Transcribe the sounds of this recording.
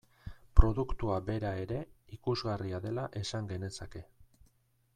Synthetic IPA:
pɾo̞ðukt̪uabe̞ɾae̞ɾe̞ikuzɣariaðe̞laʔe̞saŋɡe̞ne̞sake̞

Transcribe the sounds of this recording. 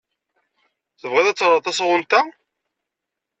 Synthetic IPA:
θəvʁɪðæt͡sːəɾˤt̪ːˤɑsʁʊlt̪æ

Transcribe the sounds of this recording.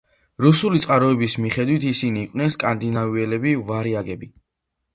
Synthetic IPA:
ɾusulit̪sʼqʼaɾɔɛbismiχɛd̪wit̪ʰisiniːkʼwnɛnskʼand̪inaviɛlɛbivaɾiaɡɛbi

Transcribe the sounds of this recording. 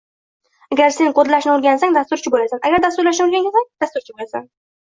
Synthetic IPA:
aɡʲaɾse̞nqʰod̪laʃnɪʊɾɡʲansaŋd̪ast̪ʊɾt͡ʃʰɪbolasanaɡʲaɾd̪ast̪ʊɾlaʃ̬nɪʊɾɡʲaŋɡʲasaŋd̪̥ast̪ʊɾt͡ʃʰɪbolasa̰n

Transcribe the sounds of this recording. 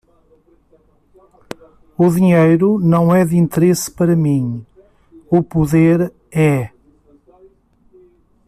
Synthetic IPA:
uðiɲejɾunɐ̃w̃ɛðĩnt̪ɨɾespɐɾɐmĩ | upuðeɾ | ɛ

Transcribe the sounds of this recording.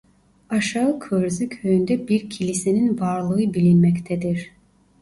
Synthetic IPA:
aʃaɯkʰøɾzykʰøjynd̪ɛbiɾcʰilʲiseninvaɾlˠɯɯbilʲinmɛct̪ʰɛd̪iɾ̥

